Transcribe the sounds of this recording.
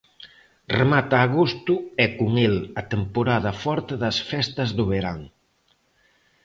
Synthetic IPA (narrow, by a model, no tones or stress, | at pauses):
remat̪aːɣost̪uɛkuŋelɐt̪empoɾaðɐfɔɾt̪eðɐsfɛst̪ɐzðʊβeɾaŋ